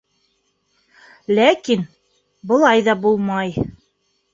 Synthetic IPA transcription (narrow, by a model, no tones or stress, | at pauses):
lækin | bɤ̆lˠɑjðɑbulˠmɑj